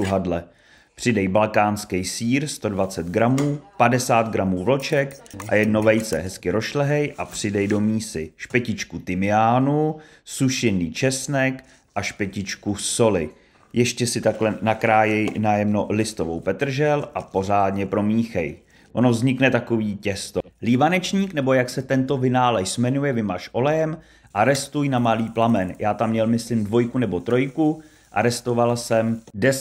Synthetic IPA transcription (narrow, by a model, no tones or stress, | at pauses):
uɦadlɛ | pr̥ɪdɛjbalkaːnskɛjsiːɾst̪o̞dvat͡sɛt̪ɡɾamuːpadɛsaːt̪̚ɡɾamuːvlot͡ʃɛkʔa̰jɛdno̞vɛjsɛ̰ɦɛskɪɾoʃlɛɦɛjʔapr̝̥ɪdɛjdo̞miːsɪʃpɛcɪt͡ʃkut̪ɪmɪjaːnu | suʃɪniːt͡ʃɛsnɛk | ʔaʃpɛcɪt͡ʃkuso̞lɪ | jɛʃcɛsɪt̪aklɛnakɾaːjɛjnajɛmno̞lɪst̪ovo̰wpɛt̪r̩ʒɛlʔapo̞r̝aːdɲɛpɾo̞miːxɛj | ʔonovzɲɪknɛt̪ako̞viːcɛst̪oliːvanɛt͡ʃɲiːknɛbo̞jaksɛt̪ɛnt̪o̞vɪnaːlɛʃsmɛnujɛvɪmaʃʔo̞lɛjɛm | ʔaɾɛst̪ujnamaliːplamɛnjaːt̪amɲɛlmɪslɪmdvo̞jkunɛbo̞t̪ɾo̞jku | ʔa̰ɾɛst̪o̞valsɛmdɛ